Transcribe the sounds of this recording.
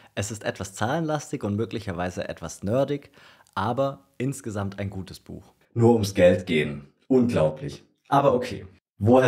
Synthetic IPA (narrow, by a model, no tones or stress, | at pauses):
ʔɛsɪstʔɛ̰tv̥ast͡saːlənlastɪçʊntmøːklɪçɐvaɪzə̰ʔɛ̰tv̥asnœɐdɪç | ʔaːbɐʔɪnsɡ̥əzamtʰaɪnɡuːtəsb̥ṵːx | nuːɐʊmsɡ̥ɛltɡ̥eːən | ʔʊnɡlaʊplɪ̰ç | ʔaːbɐʔokʰḛː | voː